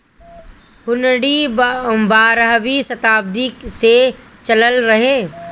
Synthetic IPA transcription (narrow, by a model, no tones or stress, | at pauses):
hʊnɽi | baːɾɦʋisɐt̪aːb̚d̪ise | t͡ʃɐləlɾɐɦẽː